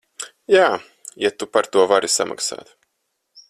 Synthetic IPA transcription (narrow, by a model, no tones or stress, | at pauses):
jaː | jat̪upaɾt̪uɔvaɾisa̰mʔa̰ksa̰ːt̪